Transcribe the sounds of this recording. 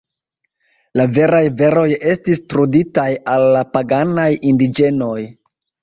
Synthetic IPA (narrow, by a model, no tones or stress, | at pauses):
lave̞ɾajve̞ɾo̞je̞stistɾuditajalːapaɡanajindid͡ʒe̞no̞j